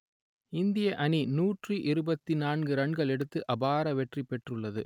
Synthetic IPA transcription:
ɪnd̪ɪjɐʔɐninuːʈriʔɪɾɯbɐt̪ːinaːnɡɯɾɐɳɡɐɭɛɽɯt̪ːɯʔɐbaːɾɐʋɛʈripɛʈrɯɭːɐðɯ̰

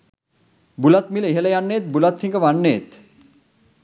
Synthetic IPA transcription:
bulat̪miləiɦələjanːeːt̪̚bulat̪hiŋɡəʋanːeːt̪

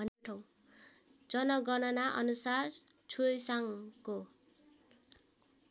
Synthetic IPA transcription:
ʌnʈʰʌw | d͡zʌnʌɡʌnʌnaʔʌnusar | t͡sʰujsaŋko

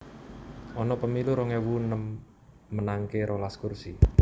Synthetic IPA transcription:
ʔɔnɔpəmiluɾɔŋewunəmː | ənaŋkeɾʔolaskursi

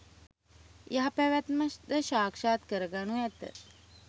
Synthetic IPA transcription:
jaɦapɛʋæt̪məʃd̪əʃaːkʂaːt̪kəɾəɡanuɛt̪ə̰

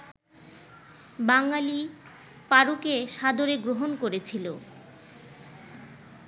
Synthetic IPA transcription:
baŋali | paɾukeʃad̪oɾeɡɾoɦonkoɾet͡ɕʰilo

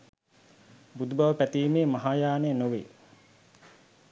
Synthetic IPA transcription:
bud̪ubaʋəpæt̪iːmeːmaɦaːjaːnenoʋḛ

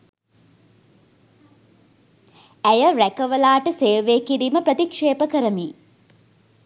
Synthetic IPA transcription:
æjəɾækəʋəlaːʈəseːʋeːkiɾiməpɾət̪ikʂeːpəkəɾəmiː

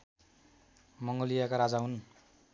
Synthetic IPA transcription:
mʌŋɡʌlijakaɾad͡zaɦun

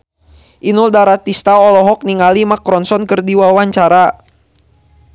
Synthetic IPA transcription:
ʔinuldaɾat̪ist̪aɔlɔɦɔk̚niŋalimakɾɔnsɔnkɨrdiwawaɲt͡ʃaɾa

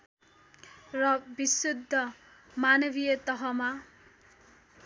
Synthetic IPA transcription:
rʌbisud̪ʱːʌ | manʌbijʌt̪ʌɦʌma

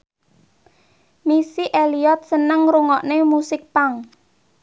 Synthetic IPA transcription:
misiʔeliɔt̪̚sənəŋɾuŋɔʔnemusɪk̚paŋ

